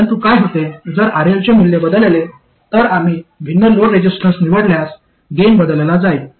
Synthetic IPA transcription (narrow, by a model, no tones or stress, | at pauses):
ənt̪ukajɦot̪ed͡zəɾaɾelt͡ɕemilːebəd̪əlele | t̪əɾam̤iːʋʱinːəloɾɾed͡ʑisʈɾəsniʋəɽljas | ɡembəd̪əlelad͡zai